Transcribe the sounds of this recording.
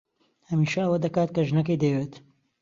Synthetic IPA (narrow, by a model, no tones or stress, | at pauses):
hɐmiːʃɐɐwɐd̪ɐkaːt̪̚kɐʒnɐkəjd̪ɐjweːt̪